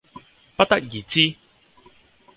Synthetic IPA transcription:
pɐ˥t̚t̪ɐ˥k̚jiː˨˩t͡siː˥

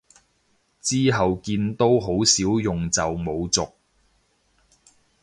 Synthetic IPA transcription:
t͡siː˥ɦɐ˨wkiː˧nt̪o˥wɦo˨˥wsiː˨˥wjʊ˨ŋt͡sɐ˨wmo˨˧wt͡sʊ˨k̚

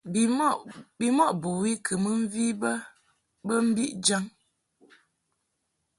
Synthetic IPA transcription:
bi˨mɔ˦˨ʔbo˨wi˦kʰə˨mə˦ɱ̩˦vi˦bə˦ | bə˦m̩˦bi˦ʔd͡ʒa˦ŋ

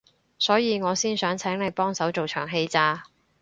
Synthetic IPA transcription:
sɔː˨˥jiː˨˧ŋɔː˨˧siː˥nsœː˨˥ŋt͡sʰɛː˨˥ŋne˨˧jpɔː˥ŋsɐ˨˥wt͡so˨wt͡ʃʰœː˨˩ŋɦe˧jt͡saː˧

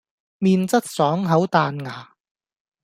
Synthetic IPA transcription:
miː˧nt͡sɐ˥t̚sɔː˨˥ŋɦɐ˨˥wt̪aː˨nŋaː˨˩

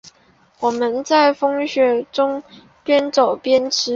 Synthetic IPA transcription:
wɔ˨˩mə˦nt͡sa˥˩ɪfɤ˥ŋɕɥɛ˨˥ʈ͡ʂʊ˥ŋ | pjɛ˥nt͡so˨˩ʊpjɛ˥nʈ͡ʂʰɻ̩˥

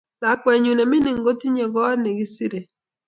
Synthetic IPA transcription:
da˨k͡pɛ˨ɲu˨ne˨mi˦ni˨ŋ˦ɡo˦ti˦ɲe˨ɡɔ˦ne˨ɡi˦si˦ɾe˨

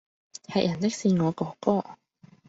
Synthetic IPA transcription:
hɐ̰˨˩jʔɐ˨˩nt̪ɪ˥k̚siː˧ŋɔː˨˧kɔː˨˥kɔː˥

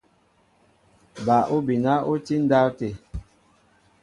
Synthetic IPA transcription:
ba˨ʔo˦bi˨na˦o˦ti˦n˦da˦wte˨

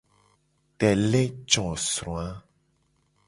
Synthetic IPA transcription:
tɛ˨le˦t͡ʃɔ̃˨sɾõ˨a˦

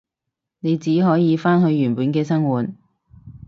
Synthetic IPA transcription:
ne˨˧jt͡siː˨˥ɦɔː˨˥jiː˨˧faː˥nɦɵ˨˧ɥjyː˨˩npuː˨˥nkɛː˧sɐ˥ŋwuː˨t̚

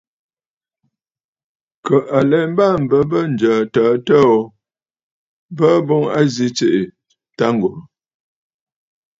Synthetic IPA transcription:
kə˨ʔa˨lɛ˨m˦ba˦˨m̩˨bə˨bə˦n̩˨d͡ʒəː˨təː˨˦tə˦ɔ˦ | bə˦bɔ˦ŋa̰˦zi˦t͡se˨ʔe˨ | ta˦ŋ˨ɡo˨

